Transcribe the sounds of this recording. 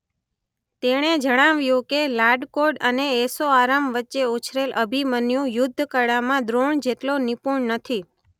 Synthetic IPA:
t̪eɽ̃ed͡ʒəɽ̃aʋjũkelaɖkoɖəneːsoaɾamʋətːʃeut͡ʃʰɾeləbʱimənjũjʊd̪ʱːkəɽamãd̪ɾoɳd͡ʒeʈlonipuɳnət̪ʰi

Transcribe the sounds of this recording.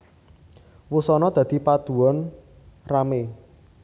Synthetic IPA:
wusɔnɔd̪̥ä̤d̪̥i̤pad̪̥ṳɔn | rame

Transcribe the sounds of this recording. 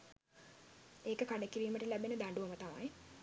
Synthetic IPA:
eːkəkaɖəkiɾiːməʈəlæbenəd̪aɳɖuʋəmət̪ama̰j

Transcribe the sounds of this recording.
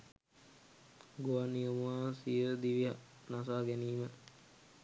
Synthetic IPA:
ɡoanijəmuaːsiəɾəd̪iʋiɦa | nas̬aːɡɛniːmə

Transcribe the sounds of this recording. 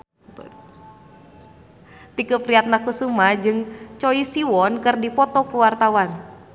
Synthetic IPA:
t̪ṵr | t̪ikəpɾiat̪̚nakusumad͡ʒɨŋt͡ʃɔisiwɔnkɨrdipɔt̪ɔkuwart̪awan

